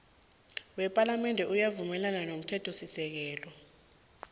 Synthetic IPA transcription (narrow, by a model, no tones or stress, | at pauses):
wɛpʼalamɛndʱɛʔujavumɛlananom̩tʰɛtʰɔsisɛk̬ɛːlɔ